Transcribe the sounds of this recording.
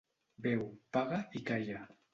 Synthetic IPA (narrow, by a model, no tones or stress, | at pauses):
bewpaɢɑpɪkaja